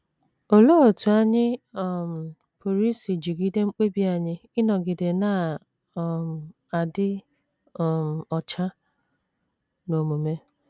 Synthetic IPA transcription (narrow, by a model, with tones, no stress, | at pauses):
o˨lo˦o˨tu˨a˦ɲɪ˦ɔ˦˨m̩˨ | po˨ɾi˦si˨d͡ʒi˨ɡi˦de˦ŋ͡m̩˦k͡pe˦bi˦a˦˨ɲɪ˦ɪ˦nɔ˨ɡɪ˨de˨na˨˦˨ | m˨ | a˨dɪ˦˨ | m̩˨ɔ˨t͡ʃa˦ | no˨mu˨me˦